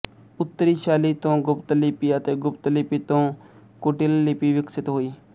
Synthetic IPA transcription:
ʊt̪ːəɾiːʃaːlit̪õːɡʊpt̪əlipiət̪eːɡʊpt̪lipit̪õː | koːʈɪlːipiʋɪksɪt̪ɦoːiː

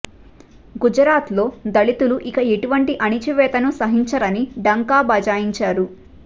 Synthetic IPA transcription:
ɡud͡ʒɾaːt̪lo̞ːd̪ɐɭit̪uluʔikɐe̞ʈuʋɐɳʈiʔɐnit͡ʃiʋɛːt̪ɐnusɐɦiɲt͡ʃɐɾɐniɖɐŋkaːbɐd͡ʒaːjiɲt͡ʃaːɾu

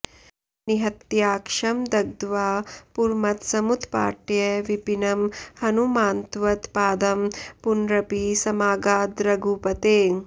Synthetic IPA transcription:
niɦɐt̪jaːkʂɐmd̪ɐɡ̚d̪ʋaːpuɾmɐt̪sɐmut̪pa̰ːʈjɐʋipinɐmhɐnumaːnt̪ʋɐt̪paːd̪ɐmpunɾɐpisɐmaːɡaːd̪ɾɐɡuːpɐt̪eː

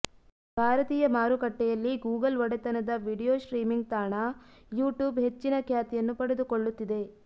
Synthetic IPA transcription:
bʱaːɾɐt̪iːjɐmaːɾukɐʈːɛjɐlːiɡuːɡɐlʋɐɽet̪ɐnɐd̪ɐʋiːɽijoːʃɾiːmiŋɡ̚t̪aːɳɐjuːʈjuːbɦe̞t͡ʃːinɐkʰjaːt̪ijɐnːupɐɽed̪ukoɭːut̪ːid̪e̞

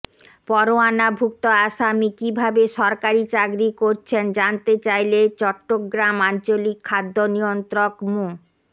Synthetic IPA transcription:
pɔɾoanabʱuk̚t̪oaʃamikibʱabeʃɔɾkaɾit͡ɕaɡɾikoɾt͡ɕʰend͡ʑant̪et͡ɕajlet͡ɕɔʈːoɡɾamant͡ɕolikʰːad̪ʱːonijont̪ɾokmu

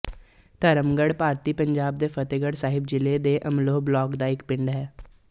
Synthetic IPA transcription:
t̪əɾəmɡəɽpaːɾt̪iːpəɲd͡ʒaːb̚d̪eːpʰət̪eɡəɽsaːɦɪbd͡ʒɪleːd̪eːʔəmloːblɔːkd̪aːɪkpɪɳɖɦɛː

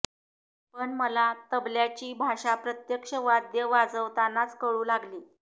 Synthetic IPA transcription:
pəɳməlat̪əbljat͡ɕiːbʱaʂapɾət̪jəkʂəʋad̪jəʋad͡zəʋt̪anat͡skəɭuːlaɡliː

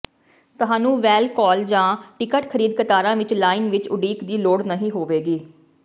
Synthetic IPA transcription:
t̪ʊɦaːnũːʋɛːlkɔːld͡ʒãːʈɪkəʈkʰəɾiːd̪kət̪aːɾãːʋɪt͡ʃlaːɪːnʋɪt͡ʃʊɖiːkd̪iːloːɽnəɦĩːɦoːʋeːɡiː

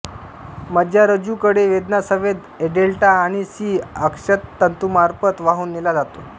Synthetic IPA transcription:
məd̪ʱjaɾəd͡ʑukəɽeʋed̪nasəʋed̪ | eɖelʈaːɽ̃isiːəkʂət̪ːənt̪umaɾpət̪ʋaɦuːnːilad͡zat̪o

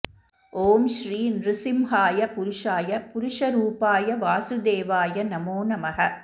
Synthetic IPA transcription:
ʔoːmʃɾiːnɾɪsɪmhaːjɐpʊɾʊʂaːjɐpʊɾʊʂɐɾuːpaːjɐʋaːsɯd̪eːʋaːjɐnɐmoːnɐmɐɦɐ

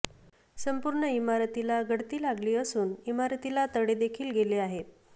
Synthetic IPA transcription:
səmpuɾɳəimaɾt̪ilaɡʱəɽt̪iːlaɡliːəsuːnimaɾt̪ilat̪əɽed̪ekʰiːlɡeleaɦet̪

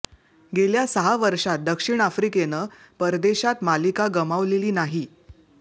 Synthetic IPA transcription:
ɡeljasəɦaʋəɾʂat̪̚d̪əkʂiɳ̃afɾikenəː | pəɾd̪eɕat̪malikaɡəmaʋleliːnaɦi

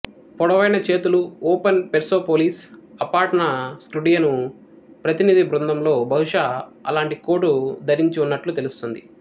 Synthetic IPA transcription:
pɔɽɐʋɐjnɐt͡ʃe̞ːt̪uluoːpɐnpeɾso̞ːpoːliːsɐpaːɾʈɐnɐsʈuɽijɐnu | pɾɐt̪inid̪ibɾund̪ɐmlo̞ːbʱɐɦuʂaːɐ̰laːɳʈiko̞ːʈud̪ʱɐɾiɲt͡ʃiunːɐʈlut̪e̞lust̪ond̪i

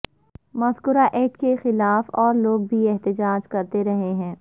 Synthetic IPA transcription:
mɐzkʊɾaʔɛːʈkexɪlaːfɔːɾloːɡ̚bʱiɛɦt̪ɪd͡ʒaːd͡ʒkɐɾt̪eɾɐɦeɦɛ̃ː

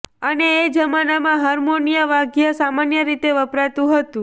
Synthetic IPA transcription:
əneːd͡ʒəmanamãɦəɾmonijəʋaɡjəsamanjəɾit̪eʋəpɾat̪ũɦət̪ũ

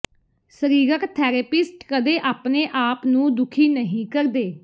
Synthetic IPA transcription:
səɾiːɾəkt̪ʰɛːɾepɪsʈkəd̪eːʔaːpneːʔaːpnũːd̪ʊkʰiːnəɦĩːkəɾd̪eː

